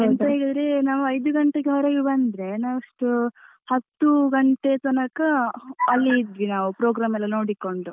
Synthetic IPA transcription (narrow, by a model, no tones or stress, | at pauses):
ent̪ɐɦeɡɐd̪ɾenaːʋuɐjd̪uɡɐɳʈeɡeɦɔɾɐɡibɐnd̪ɾe̞naːɐʂʈu | hɐt̪ːuɡɐɳʈe̞t̪ɐnɐkɐɐlːiːd̪ʋinaːʋupɾoːɡɾaːmɛlːɐnoːɽikoɳɖu